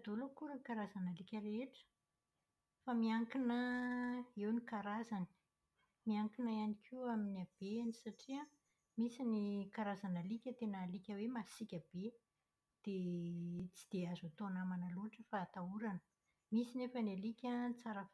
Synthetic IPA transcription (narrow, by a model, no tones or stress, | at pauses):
d̪olukuɾənikaɾazanəlikʲəɾeʈ͡ʂə̥ | famiaŋkinə | ewnikaɾazani̥ | miaŋkinaianikʲʰiaminiab̥eanisaʈ͡ʂia | misinikaɾazanəlikʲət̪enalikʲəwemasikʲab̥e | d̪̥e | t͡si̥d̪̥eazat̪onamanaluaʈ͡ʂəfaːt̪auɾanə̥ | misinefənalikʲat͡saɾəf